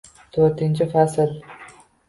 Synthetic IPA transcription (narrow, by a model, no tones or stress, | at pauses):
t̪ʰoɾt̪ʰɪnt͡ʃʰɪfasɪl